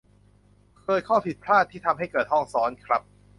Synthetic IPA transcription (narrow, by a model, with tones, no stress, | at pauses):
kʰɤː˧jkʰɔː˥˩wpʰi˨˩t̪̚pʰɾaː˥˩t̪ʰːiː˥˩t̪ʰa˧mɦa˥˩jkɤː˨˩t̪̚hɔ˥˩ŋsɔː˦˥nkʰɾa˦˥p̚